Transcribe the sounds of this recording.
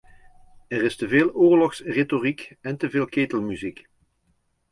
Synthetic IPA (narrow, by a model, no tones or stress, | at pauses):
ɛrɪstəveːlˠʊːɹlɔxsretorikɛntəveːlˠkeːtəlˠmyzik